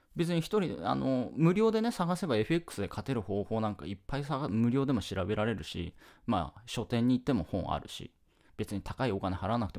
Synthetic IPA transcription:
be̞t͡sɨɲ̟içi̥t̪o̞ɾʲid̪ḛa̰no̞̰mɯ̟ɾʲo̞ːd̪e̞ne̞saɡase̞bae̞ɸɯ̟ekːɯ̟̥sɨd̪e̞kʰat̪e̞ɾɯ̟ho̞ːho̞ːnãŋka̰ipːaisaamɯ̟ɾʲo̞ːd̪e̞mo̞ɕiɾabe̞ɾaɾe̞ɾɯ̟ɕḭma̰ɕo̞t̪ẽ̞ɲ̟ːiːt̪ːe̞mo̞̰hõ̞ɰ̰̃a̰ɾɯ̟̰ɕḭ | b̥e̞t͡sɨɲ̟it̪ʰḁkaio̞kane̞haɾanakɯ̥t̪e

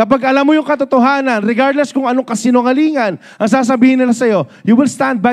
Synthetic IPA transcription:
kɐpaɡɐlamːojʊŋkɐt̪ot̪oɦaːnɐnɾɛɡaɹd̪lɛskʊŋɐnoŋkɐsɪnoŋɐliːŋɐn | ʔɐŋsaːs̬ɐbiːhɪnːɪlasɐjo̞juwɪlst̪and̪̚ba

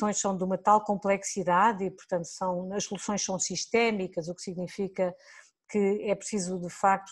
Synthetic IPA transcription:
sõj̃ʃsɐ̃w̃d̪umɐt̪alˠkõmplˠɛksiðaðipuɾt̪ɐ̃nt̪u̥sɐ̃w̃ɐʃsulˠusõj̃ʃsɐ̃w̃siʃt̪ɛmikɐzuksiɣnifikɐ | kɨɛpɾsizud̪ɨfak̚t̪

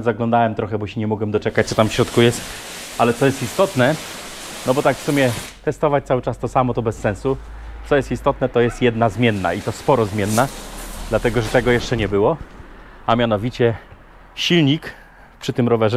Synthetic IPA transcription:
zaɡlɔ̃nd̪awɛmt̪ɾɔxɛbɔɕɛɲɛmɔɡwɛmd̪ɔt͡ʂɛkat͡ɕtsɔt̪amfɕɾɔt̪kujɛst̪ | alɛt̪sɔjɛst̪ist̪ɔt̪nɛ | nɔbɔt̪akfsumʲjɛt̪ɛst̪ɔvat͡ɕt̪sawɘt͡ʂast̪ɔsamɔt̪ɔbɛsːɛ̃ñsu | sɔjɛst̪ist̪ɔt̪nɛt̪ɔjɛst̪jɛd̪nazmʲjɛnːa̰it̪ɔspɔɾɔzmʲjɛnːad̪̥lat̪ɛɡɔʐɛt̪ɛɡɔjɛʂt͡ʂɛɲɛbɘwɔ | amʲjanɔvʲit͡ɕɛ | ɕilɲik | pʂɘt̪ɘmɾɔvɛʐ

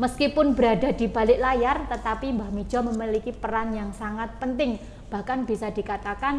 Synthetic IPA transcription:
məskipʊnbəɾadadiba̤lɪʔlajart̪ət̪apimbahmi̥d͡ʒɔməmilikipəɾanjaŋsaŋat̪̚pənt̪ɪŋ | b̥ahkanb̥isadikat̪akan

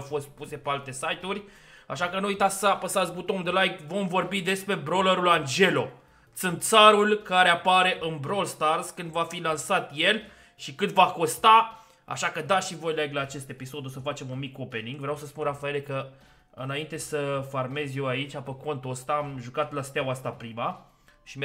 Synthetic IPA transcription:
wfo̞st̪̚puse̞pealt̪e̞sajt̪urʲ | aʃakənuujt̪at̪sapəsazbut̪omd̪əlajkvo̞mvo̞rbid̪e̞spɾe̞bɾo̞ləɾuland͡ʒe̞lo̞ | t̪sɨnt̪saɾulkaɾe̞apaɾe̞ʔɨnbɾo̞lst̪arz̥kɨnd̪vafilansat̪je̞l | ʃikɨnd̪vako̞st̪a | a̰ʃakəd̪aʃivo̞jlajɡlaːt͡ʃe̞st̪e̞piso̞d̪osəfat͡ʃe̞munmikope̞niŋɡvɾeawsəspunrafaelekə | ɨnaint̪e̞səfarme̞zje̞wait͡ʃʲapəko̞nt̪ost̪aːmʒukat̪last̪eawast̪apɾima | ʃim

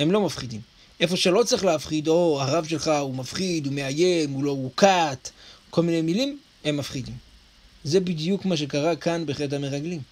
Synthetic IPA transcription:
he̞mlo̞mafχidim | ʔe̞fo̞ʃe̞lo̞t͡sʁiχleafχido̞aʁavʃe̞lχaumafχidume̞aje̞muloukat̪ko̞lmine̞jmilim | e̞mːafχidim | ze̞bidjukmaʃ̬e̞kaʁakanbeχlethameʁaɡlim

